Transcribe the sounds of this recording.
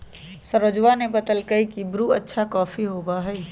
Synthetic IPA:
səɾəd͡ʒwanebɐd̪əlkəikibɾuɐtːʃʰakɔːfʰiɦoːbaɦɛ

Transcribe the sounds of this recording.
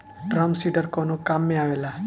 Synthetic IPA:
ɖɾamsiɖəɾkonokamːẽaʋela

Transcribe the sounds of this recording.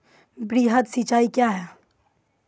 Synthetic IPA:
bɾiɦət̪sit͡ʃaːikjaɦɛ

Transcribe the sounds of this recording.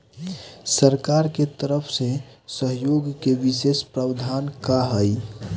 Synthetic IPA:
səɾkaɾket̪əɾəpʰsesəɦjoɡkeʋisespɾawd̪ʱankaɦəj

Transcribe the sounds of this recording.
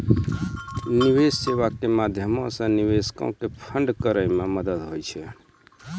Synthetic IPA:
niʋesseʋakemad̪ʱjəmɔ̃sə̃niʋeskɔ̰̃kepʰəɳɖkəɾəjmeməd̪əd̪ɦojt͡ʃʰɛ

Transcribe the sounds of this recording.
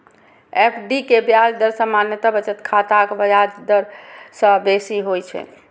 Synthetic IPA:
epʰɖikebjad͡ʒd̪əɾsə̃manjət̪abət͡ʃət̪kʰat̪akbjad͡ʒd̪əɾsə̃besiɦojt͡ʃʰɛ̰

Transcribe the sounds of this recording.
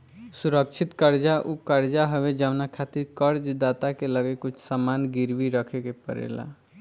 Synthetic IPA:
suɾək̚t͡ʃʰɪt̪kəɾd͡ʒaʔukəɾd͡ʒaɦəwed͡ʒəʋnakʰat̪iɾkəɾd͡ʒd̪at̪akeləɡekʊt͡ʃʰsamaːnɡɪɾʋiɾəkʰekepə̰ɾḛla̰

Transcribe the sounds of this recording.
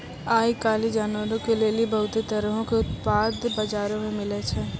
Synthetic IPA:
aːikaːlid͡ʒaːnʋəɾõkeleːlibɐɦʊt̪et̪əɾəɦõkeʊt̪paːd̪bɐd͡ʒaːɾõmẽmɪlet͡ʃʰɛː

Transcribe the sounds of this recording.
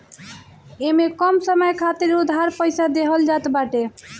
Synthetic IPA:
emekɔmsəməjkʰat̪iɾud̪ʱaɾpəjsad̪eɦəld͡ʒat̪baʈe

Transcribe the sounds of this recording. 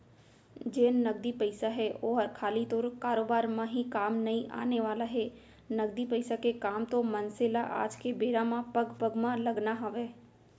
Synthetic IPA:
d͡ʒeːnːɐɡd̪ipəɪsaɦɛoːɦəɾkʰaːlit̪oːɾkaːɾoːbaːɾmãɦikaːmnɐĩʔa̰ːneʋaːlaɦɛ | nɐɡd̪ipəɪsakekaːmt̪omənsɪlaʔa̰ːd͡ʒkebeːɾamãpɐɡpəɡmãlɐɡnaɦɐʋeː

